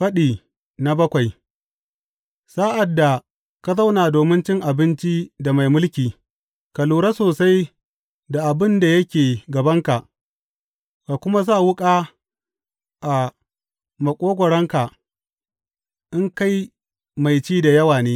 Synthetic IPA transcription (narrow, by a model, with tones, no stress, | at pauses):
ɸɐ˦ɗiː˨ | na˨bɐ˦kʷa˨j | saː˦ʔa˨dːa˨ | ka˦za˦wnaː˨doː˨mɪ˦nt͡ʃɪ˦ŋʔa˨bɪ˦nt͡ʃi˦da˨ma˨jmʊ˦lkʲiː˨ | ka˨luː˨ɾa˦soː˨sa˦j | da˨ʔa˨bɪ˦nda˨jɐ˦kʲeː˨ɡɐ˨bɐ˦ŋka˨ʔ | ka˨kʷʊ˦ma˦za˦˨wʊ˦kʼaː˦ | ʔa˨ | mɐ˨kʷʼoː˦ɡʷɔ˨ɽɐ˦ŋka˨ | ʔɪ˦ŋka˦j | ma˨jt͡ʃiː˦da˨jɐ˦waː˨neː˦